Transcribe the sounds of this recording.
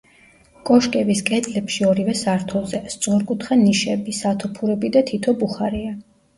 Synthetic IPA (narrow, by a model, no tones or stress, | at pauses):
kʼɔʃkʼɛbiskʼɛd̪ʼlɛpʃiɔɾivɛsaɾt̪ʰɔzɛst̪sʼʁuɾkʼut̪ʰχaniʃɛbisat̪ʰɔpʰuɾɛbid̪at̪ʰit̪ʰɔbuχaɾia